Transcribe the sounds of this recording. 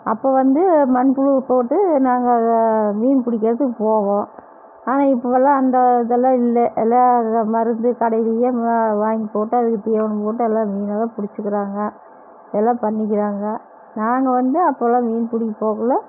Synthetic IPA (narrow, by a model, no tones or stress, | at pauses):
ɐpːoːʋɐnd̪ɯmɐnpːɯɽɯpoːʈːɯnaːŋɡɐʋiːnpʊɽɪk̬ʲːɐɾɐt̪ːɯkːɯpoːɣõː | aːnaːɪpːoʋɛlːãːɐnd̪ɐðɛlːãːɪlːɛʔɛlːaːmɐɾɯnd̪ɯkɐɽɐɪlɪjɐʋaːŋɡipoːʈːɯɐðɯkːɯt̪iːʋɐɳɐpoːʈ̬ːɯɛlːãːʋiːnɐlɐ̃ːpʊɽɪt͡ʃːɯkːɪɾaːŋɡɐ | ɛlːãːpɐɳːɪk̬ʲːɪɾaːŋɡɐ | naːŋɡɐʋɐnd̪ɯɐpːoːɛlːãːʋiːnpʊɽɪkːipoːɣɐlɐ